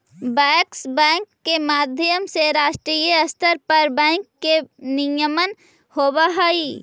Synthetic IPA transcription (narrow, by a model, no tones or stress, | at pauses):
bɛːksbɛ̃ːŋkːemaːd̪ʱjəmseɾaːʃʈɾiːjəɐst̪əɾpɐɾbɛ̃ːŋkːenɪjəmən | hoːbaɦəi